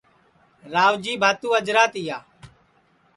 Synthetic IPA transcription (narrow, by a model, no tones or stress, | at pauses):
ɾaːʋd͡ʒiːbʱaːt̪ũːəd͡ʒɾaːt̪ɪjaː